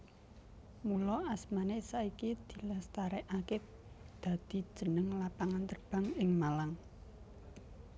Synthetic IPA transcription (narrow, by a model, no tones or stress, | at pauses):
mulɔasmanesaikid̪̥i̤last̪aɾɛʔakɪt̚ | d̪̥a̤d̪̥i̤̥ʒ̥ə̤nəŋlapaŋant̪ərb̥ä̤ŋɪŋmalaŋ